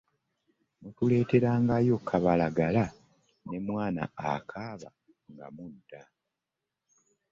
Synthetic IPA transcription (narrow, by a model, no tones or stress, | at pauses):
notule̞ːte̞ɾaːŋɡajo̞kʰːaβalaɡala | ne̞mwaːna̰ːkʰaːβa | ŋɡa̰muda